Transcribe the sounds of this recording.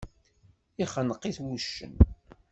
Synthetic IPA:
iχənəqːiθwuʃːə̰n

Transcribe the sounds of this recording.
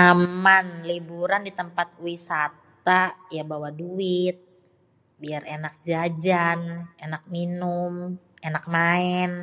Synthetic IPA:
amanlibuɾandit̪əmpat̪̚wisat̪ajabawaduɪt̪̚ | biarenak̚d͡ʒad͡ʒanenak̚minʊmenak̚maɛn

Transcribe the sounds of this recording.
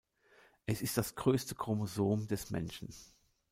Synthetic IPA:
ʔɛsɪstd̥asɡ̥ʁøːstəkʁ̥omozoːmdɛsmɛ̰nʃn̩

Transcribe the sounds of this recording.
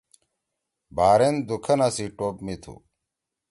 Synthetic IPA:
baːɾend̪ukʰɐnasiʈoːpmit̪ʰṵ

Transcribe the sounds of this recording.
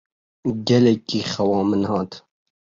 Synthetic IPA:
ɡɛlɛkːiːxɐwɑːmɨnhɑːt̪

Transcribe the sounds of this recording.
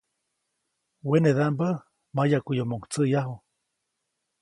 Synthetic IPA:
weneðambə | majakʷujomoŋt͡səjaɦu

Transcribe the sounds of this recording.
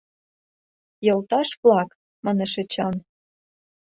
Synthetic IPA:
jɤ̆lt̪ɑʃβlɑk | mɑnɤ̆ʃĕt͡ɕɑn

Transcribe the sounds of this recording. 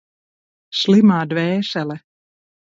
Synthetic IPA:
ʃlimaːd̪vɛːʃɛlɛ

